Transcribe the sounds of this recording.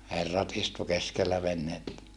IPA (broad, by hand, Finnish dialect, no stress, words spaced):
herːɑt istu keskelːæ ʋenhetːæ